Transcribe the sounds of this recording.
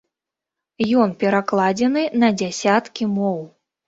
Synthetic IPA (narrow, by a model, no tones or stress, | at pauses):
jɔnpʲɛɾaklˠad͡zʲɛnɨnɐd͡zʲasʲat̪kʲimɔw